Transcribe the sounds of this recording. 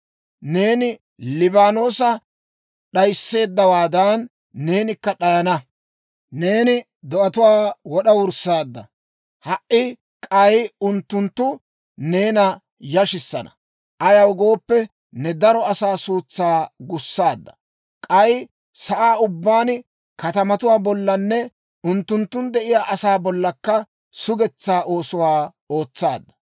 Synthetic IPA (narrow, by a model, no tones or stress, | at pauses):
ne̞ːnɪ | lɪbaːno̞ːsɐ | ɗɐjsːe̞ːd̪ːɐwaːd̪ɐnː | e̞ːnɪkːɐɗɐjɐnɐ | ne̞ːnɪ | d̪ɔʔɐt̪ʊwaːwɔɗɐwʊɾsːaːd̪ːɐ̰ | hɐʔːɪ | kʼɐjʊnt̪ːʊnt̪ːʊ | ne̞ːnɐ | jɐʃɪsːɐ̰nɐ̰ | ʔɐjɐwɡo̞ːpːɛ | nɛd̪ɐɾɔɐsaːsuːt͡sːaːɡʊsːaːd̪ːɐ̥ | kʼɐj | sɐʔaːʊbːaːn | kɐt̪ɐmɐt̪ʊwaːbɔlːɐnːɛ | ʊnt̪ːʊnt̪ːʊnd̪ɛʔɪjaːʔɐsaːbɔlːɐkːɐ | sʊɡɛt͡sːaːʔo̞ːsʊwaː | o̞ːt͡sːaːd̪ːɐ̥